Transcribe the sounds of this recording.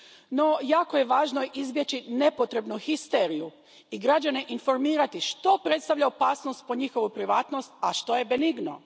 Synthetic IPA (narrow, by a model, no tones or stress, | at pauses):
no̞jaːko̞je̞ʋaːʒnoizbje̞t͡ɕine̞po̞t̪ɾe̞bnuxist̪eːɾiju | iɡɾad͡ʑane̞ʔinfo̞ɾmiːɾat̪iʃt̪o̞pɾe̞t̪st̪aʋʎaopaːsnost̪̚po̞ɲixo̞ʋupɾiʋaːt̪no̞st̪̚aʃt̪o̞je̞beniɡno̞̰